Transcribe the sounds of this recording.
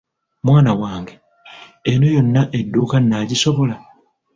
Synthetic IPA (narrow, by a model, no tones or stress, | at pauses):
mwaːnawaːŋɡe̞ | eno̞jo̞nːaʔe̞dːuːkanːaːɟiso̞βo̞la